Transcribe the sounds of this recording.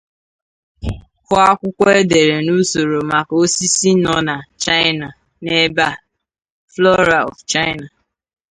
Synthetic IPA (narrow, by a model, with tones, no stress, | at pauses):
kʊ˦a˦kʷʊ˦kʷɔ˦e˦de˨ɾe˨nu˦so˨ɾo˨ma˨ko˦si˦si˦nɔ˦na˨t͡ʃa˦ɪ˦na˨ | ne˦ba˦˨ | flɔ˦ɾa˨ɔ̰˨ft͡ʃa˦ɪ˦na˨